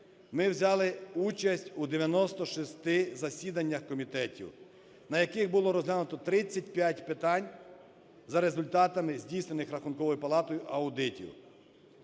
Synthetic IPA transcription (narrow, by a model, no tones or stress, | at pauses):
mɪwzʲɑlˠɪut͡ʃɐsʲtʲud̪eʋʲjɐnɔst̪ɔʃist̪ɪzɐsʲid̪ɐnʲːɐxkɔmʲit̪ɛtʲḭw | nɐjɐkɪxbʊlˠɔɾɔzɦlʲanʊt̪ɔt̪ɾɪt͡sʲːɐt̚ʲpʲjatʲpɪt̪ɑnʲ | zɐɾe̞zʊlʲt̪ɑt̪ɐmɪzʲdʲijsnenɪxɾɐxʊnkɔʋɔjʊpɐlˠɑt̪ɔjʊʔɐʊd̪ɪtʲḭw